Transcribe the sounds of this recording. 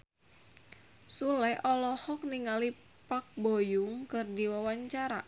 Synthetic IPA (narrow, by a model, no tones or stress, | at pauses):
sulɛʔɔlɔhɔk̚niŋali | pak̚bojʊŋkɨrdiwawaɲt͡ʃaɾa̰